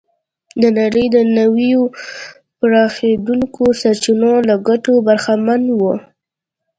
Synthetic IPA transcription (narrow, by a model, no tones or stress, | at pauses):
d̪ənaɾəjd̪ənawijo | pɾɑxed̪uŋkosaɾt͡ʃinolaɡaʈobaɾxamanwo